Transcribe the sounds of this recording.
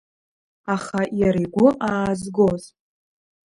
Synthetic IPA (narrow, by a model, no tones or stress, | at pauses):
aχajaɾiɡʷʊʔaːzɡoz